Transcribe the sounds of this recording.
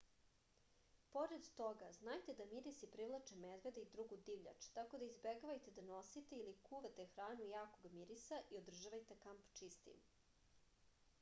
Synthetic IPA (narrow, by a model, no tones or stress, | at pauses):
po̞ɾed̪t̪o̞ɡaznajt̪e̞d̪amiɾisipɾiʋlˠat͡ʃemed̪ʋe̞d̪eid̪ɾuɡud̪iʋʎʲa̰t͡ʃt̪ako̞d̪aizbeɡoʋajt̪ed̪ano̞sit̪eilikuʋet̪e̞xɾaːnujaːkoɡamiɾisaʔiod̪r̩ʒaʋajt̪e̞kampt͡ʃist̪ḭm